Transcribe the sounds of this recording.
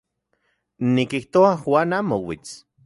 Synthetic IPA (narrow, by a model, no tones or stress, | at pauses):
nikiht̪oaxwaːnamowḭt͡s